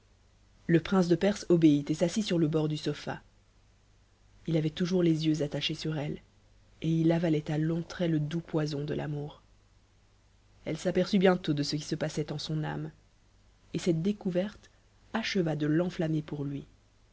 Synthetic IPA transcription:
ləpχɛ̃s̬d̪əpɛʁsɔbeit̪esasisyʁləbɔʁd̪ysɔfa̰ | ilavɛt̪uʒuʁlezjøzat̪aʃesyʁɛl | eilavalɛt̪alɔ̃t̪χɛləd̪upwazɔ̃d̪əla̰muːʁ | ɛlsapɛʁsybjɛ̃t̪od̪əsəkʲi̥səpasɛt̪ɑ̃sɔ̃na̰m | esɛt̪̚d̪ekuvɛʁt̪ | aʃəvad̪əlɑ̃flamepuʁlɥi

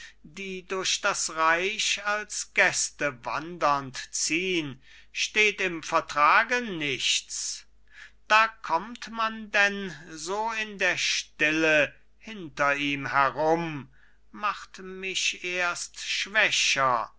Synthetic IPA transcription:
d̥iːdʊɐɕd̥asʁaɪʃalsɡ̥ɛstəva̰ndɐntt͡siːən | ʃteːtɪmfɛɐtʁ̥aːɡənɪçt͡s | d̥aːkʰɔmtmandɛnzoːɪndeːɐʃtɪlə | hɪntɐiːmhɛʁʊm | maχtmɪçʔeːɐstʃv̥ɛɕɐ

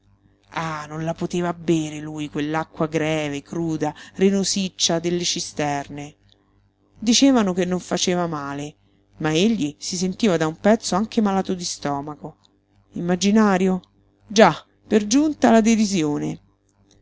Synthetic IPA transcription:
anonlapot̪eːvabːeːɾelujkwelːakːwaɡɾɛːvekɾuːd̪arenosit͡ʃːad̪elːet͡ʃist̪ɛrne | d̪it͡ʃeːvanokenːoɱfat͡ʃeːvamaːle | maeʎːisis̬ent̪iːvad̪aumpɛt̪sːoaŋk̟emalaːt̪od̪ist̪ɔːmako | imːad͡ʒinaːɾjo | d͡ʒa | perd͡ʒunt̪alad̪edizjoːne

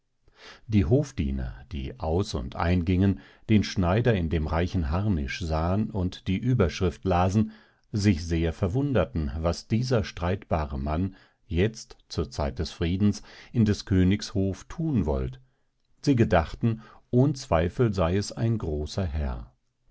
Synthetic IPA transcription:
d̥iːɦoːfd̥ḭːnɐ̰d̥ḭːʔaʊsʊ̰ntʔa̰ɪnɡɪŋən | d̥eːnʃnaɪdɐɪndeːmʁaɪçn̩ɦaɐnɪ̰ʃz̥aːənʊntd̥iːʔyːbɐʃʁ̥ɪftlaːzn̩ | zɪçz̥eːɐfɛɐvʊndɐtn̩vasd̥iːzɐʃtʁ̥aɪtb̥aːʁəman | jɛt͡stt͡suːɐt͡saɪt̚d̥ɛsfʁ̥iːdn̩sʔɪndɛskʰøːnɪçshoːftʰuːnvɔ̰lt | z̥iːɡədaχtn̩ | ʔoːnət͡sv̥aɪfl̩zaɪɛsa̰ɪnɡʁoːsɐɦɛɐ

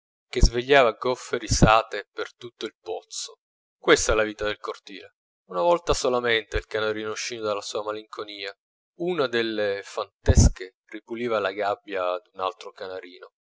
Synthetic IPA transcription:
k̟ezveʎːaːvaɡɔfːeɾisaːt̪epert̪ut̪ːoilpɔt̪sːo | kwest̪aɛlaviːt̪ad̪elkort̪ḭːle | unavɔlt̪asolament̪eilkanaɾiːnouʃːiːnod̪alːasuːamaliŋkʰoniːa | unad̪elːefant̪ɛske | ripuliːvalaɡabːjad̪una̰lt̪ɾokanaɾiːno

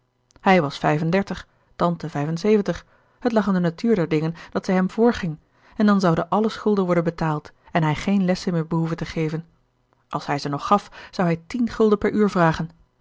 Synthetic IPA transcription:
hɛjʋɑsfɛjvəndɛɹtəχ | tɑntəvɛjvənsejvəntəχ | ɦətlɑχɪndənatyːɹdɛɹdɪŋənd̥ɑtsɛjɦɛmv̥ʊːɹχɪŋ | ɛndɑnzɑwdəʔɑləsχɵlˠdənʋɔɹdənbətaːlˠt | ɛnɦɛjχejnlɛsəmɪːɹbəɦuvəntəχejvən | ʔɑlˠshɛjzənɔχːɑfz̥ɑwɦɛjtinχɵlˠdəpɛɹyːɹvraːχən

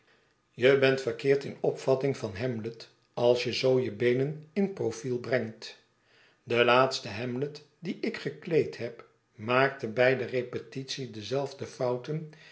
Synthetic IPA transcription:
jəbɛntfərkɪːɹtɪnɔpfɑtɪŋvɑnɦɛmlət | ɑlˠsjəzowjəbejnənɪnprofilˠbrɛŋt | dəlaːtstəɦɛmlət | diʔɪkχəklejtɦɛp | maːk̚təbɛjdərejpətitsidəzɛlˠvdəfɑwtən

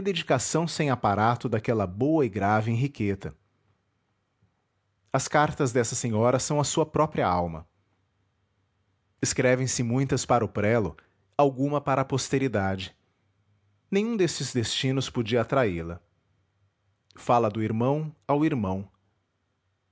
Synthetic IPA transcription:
ɪd̪ed͡ʒikasɐ̃w̃sẽj̃apaɾat̪ʊd̪akɛlɐbowɐɪɡɾavɪẽɦikʰet̪ɐ | ɐskaɾt̪ɐzd̪ɛsɐsẽɲɔɾɐsɐ̃w̃ɐsuɐpɾɔpɾiɐawmɐ̰ | ɪskɾɛvẽj̃sɪmũj̃t̪ɐspaɾɐʊpɾɛlʊ | awɡũmɐpaɾɐaːpost̪eɾid̪ad͡ʒɪ | nẽj̃ũd̪est͡ʃɪzd̪est͡ʃĩnʊspod͡ʒiɐat̪ɾailɐ | falɐd̪ʊiɾmɐ̃w̃awiɾmɐ̃w̃

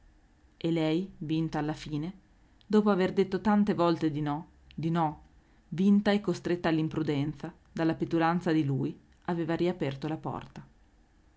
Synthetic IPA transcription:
elɛjvint̪aːlːafiːne | d̪ɔːpoaverd̪et̪ːot̪ant̪evɔlt̪ed̪inɔ | d̪inɔ | vint̪aɛkːost̪ɾet̪ːaːlːimpɾud̪ɛnt̪sa | d̪alːapet̪uɾant̪sad̪iluːj | aveːvaɾiapɛrt̪olapɔ̰rt̪a

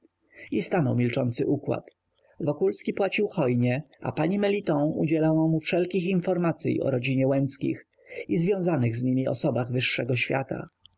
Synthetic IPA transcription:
ist̪anɔwmʲilt͡ʂɔnt̪sɘʔukwa̰t̪ | vɔkulskʲipwat͡ɕiwxɔjɲɛa̰paɲimɛlʲit̪ɔ̃ṵd͡ʑɛlawɔ̃mufʂɛlkʲixinfɔɾmat̪sʲjḭɔ̰ɾɔd͡ʑiɲɛwɛnskʲḭx | izvʲjɔ̃w̃zanɘɣzɲimʲiɔ̰sɔbaɣvɘʂːɛɡɔɕfʲja̰t̪ʰa̰

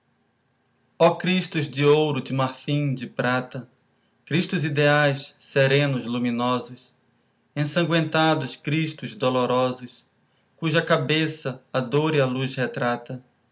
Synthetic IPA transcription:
ɔkɾiʃt̪ʊzd͡ʒɪowɾʊd͡ʒɪmaɾfĩd͡ʒɪpɾat̪ɐ | kɾiʃt̪ʊzid̪eajsseɾẽnʊzlumĩnɔzʊs | ẽsɐ̃ŋɡwẽnt̪ad̪ʊskɾiʃt̪ʊzd̪oloɾɔzʊs | kuʒɐkabesɐːd̪oɾialushet̪ɾat̪ɐ

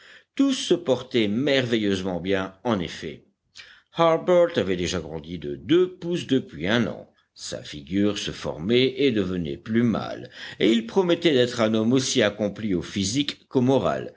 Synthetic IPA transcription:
t̪usːəpɔʁt̪ɛmɛʁvɛjøzmɑ̃bjɛ̃ɑ̃nḛfɛ̰ | haʁbœʁt̪avɛd̪eʒaɡʁɑ̃d̪id̪əd̪øpusd̪əpɥiɛ̃nɑ̰̃ | sa̰fiɡʲyʁsəfɔ̰ʁmɛʔed̪əvənɛ̰plyma̰leilpχɔmɛt̪ɛd̪ɛt̪χɛ̃nɔmosiakɔ̃pliofizikːomɔʁa̰l

